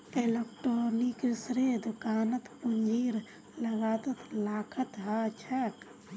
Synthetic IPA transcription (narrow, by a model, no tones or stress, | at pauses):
elekʈɾoːniksɾed̪ʊkaːnət̪pund͡ʒiːɾ | ləɡaːt̪ət̪ʰlaːkʰət̪ɦat͡ʃʰɛk